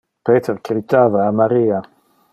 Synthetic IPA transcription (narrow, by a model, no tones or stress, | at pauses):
peːt̪eɾkɾitaːvaːmaɾiːa